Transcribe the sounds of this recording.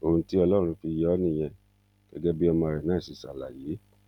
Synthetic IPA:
o˧˨ũ˧ti˦ɔ˧lɔ˦˨ɾ̃ũ˧fi˧jɔ˦nĩ˦˨j̃ɛ̃˧ | ɡ̥ɛ˦ɡɛ˦bi˦ɔ˧mɔ̃˧ɾɛ˨nãː˨˦˨si˨˦˨sa˨la̰˨je˨˦

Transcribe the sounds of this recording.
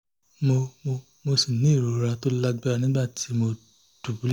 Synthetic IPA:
mo˧mo˧ | mo˧si˨nĩ˨˦˨ɾo˨˦ɾa˧to˦la˦ɡ͡ba˦ɾa˧nĩ˦ɡ͡ba˦˨ti˨˦mo˧ | d̥u˨bu˨˦˨

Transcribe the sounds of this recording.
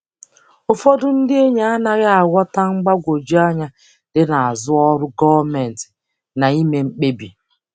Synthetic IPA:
ʊ˨fɔ˦dʊ˦n̩˦dɪ˦e˦ɲa˦a˦na˦ɣɪ˦a˨ɡʷɔ˦ta˦ŋ͡m̩˦ɡ͡ba˦ɡʷo˨d͡ʒi˦a˦ɲa˦ | dɪ˦na˨a˨zʊ˦ɔ˦ɾʊ˦ɡɔ˦me˨n̩˨tɪ̥˨ | na˨i˦me˨ŋ͡m̩˦k͡pe˦bi˨

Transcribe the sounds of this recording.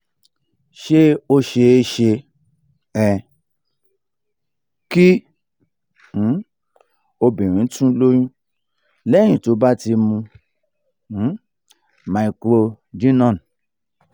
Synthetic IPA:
ʃe˦o˧ʃe˧e˧˦ʃe˧ | ɛ˨ | ki˦˨˦ | o˧bĩ˨ɾ̃ĩ˨˦tũ˦lo˦jũ˦ | lɛ˦˨j̃ĩ˨to˨˦ba˦ti˧mũ˧˨˦ | mã˨i˨˧ko˧ | d͡ʒĩ˦nɔ̃˦˨n˨

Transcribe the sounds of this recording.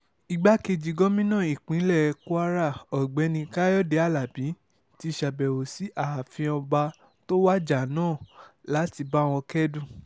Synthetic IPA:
i˧ɡ͡ba˦ke˧d͡ʒi˧ɡɔ˦mĩ˦nãː˦˨i˨k͡pĩ˨˦lɛ˦˨˧ku˦a˦ɾa˦˨ɔ˨ɡ͡bɛ˨˦nĩ˧ka˦jɔ˦de˧˦a˦˨la˨bĩ˨˦ | ti˦ʃa˨bɛ˨o˨si˨˦ʔa˦˨fĩ˧ɔ˧ba˧ | to˦wa˦d͡ʒa˨nãː˦˨la˨˦ti˧ba˦w̃ɔ̃˧kɛ˦dũ˦˨

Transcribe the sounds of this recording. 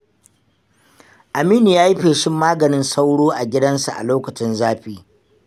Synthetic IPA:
ʔa˨miː˦ni˨jaː˦ji˦ɸeː˨ʃɪ˦mːaː˦ɡɐ˨nɪ˦nsa˦wɽoː˦ʔa˨ɡʲɪ˦dɐ˦nsa˨ʔa̰˨loː˦kɐ˨t͡ʃɪ˦nzaː˦ɸiː˦

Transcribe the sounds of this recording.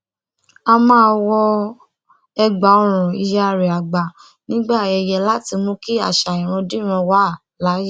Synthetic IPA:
a˧mãː˦wɔ˧ | ɛ˧ɡ͡ba˨ɔ˧ɾ̃ũ˨i˧ja˧˨ɾɛ˨a˨ɡ͡ba˨ | nĩ˨˦ɡ͡ba˦˨ɛ˧˨jɛ˧la˨˦ti˧mũ˦ki˦a̰˦˨ʃa˨ĩ˨ɾ̃ũ˧di˦ɾ̃ɔ̃˧wa˦˨ | la˨˦ji˦˨

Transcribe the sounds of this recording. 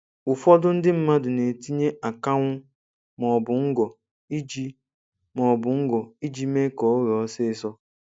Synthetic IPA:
ʊ˨fɔ˦dʊ˦n̩˦dɪ˦m̩˦ma˦dʊ˨ne˨ti˦ɲe˦ʔa˨ka˦ŋʷʊ˦ | mɔ˨bʊ˨ŋ̩˦ɡɔ˨ | i˦d͡ʒi˦ | mɔ˨bʊ˨ŋ̩˦ɡɔ˨i˦d͡ʒi˦me˦kɔ˨o˦ɾsɪ˦ɪ˦sɔ˦

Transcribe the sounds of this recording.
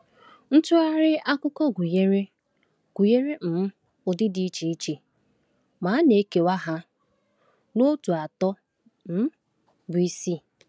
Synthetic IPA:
n̩˦tʊ˦a˦ɾɪ˦a˦kʊ˦kɔ˦ɡʷu˨je˦ɾe˦ | ɡ̥u˨je˦ɾe˦m̩˨m̩˦ | ʊ˨dɪ˦di˨˦i˦t͡ʃi˨i˦t͡ʃi˨ | ma˨˦ne˨˦ke˨wa˦ɦa˦ | no˦tu˨a˨tɔ˦ | m̩˦ | bʊ˨i˦si˦

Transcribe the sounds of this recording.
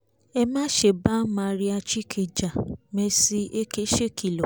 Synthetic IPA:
ɛ˧mã˦ʃe˨ba˦mã˨˧ɾi˦a˧t͡ʃi˦kʰe˧˨d͡ʒa˨me˧si˧ʔe˦ke˦ʃe˦˨kʰi˨lɔ˨

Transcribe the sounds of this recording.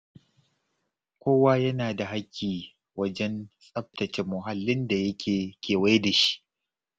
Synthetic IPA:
kʷoː˦waː˦jɐ˦naː˨da˨ɦa˦kʲːiː˨ | wɐ˦d͡ʒɛ˦nsʼɐ˦p̚tɐ˨t͡ʃe˨mːʊ˨ɦa˨lːɪ˦nda˨jɐ˦kʲʰeː˨kʲeː˨wa˦jda˨ʃi̥˦ʔ

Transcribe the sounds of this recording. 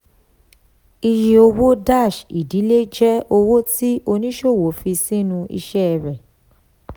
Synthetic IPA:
i˧ji˧o˧wo˦da˦˨ʃi˨di˨˦le˦d͡ʒɛ˦o˧wo˦ti˦ʔo˧nĩ˦ʃo˦˨wo˨˦fi˧si˦nũ˧ḭ˧ʃɛ˦˧˨ɾɛ˨

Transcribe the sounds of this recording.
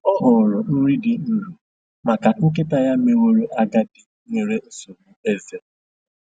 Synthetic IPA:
ɔ˦ɦʊ˨ɾɔ˨n̩˦ɾi˦dɪ˨n̩˦lu˨ | ma˨ka˨ŋ̩˦k̬e˦ta˦ja˦me˨wo˦ɾo˦ʔa˦ɡa˦dɪ˨ | me˨ɾe˦n̩˨so˨mu˦e˦ze˨

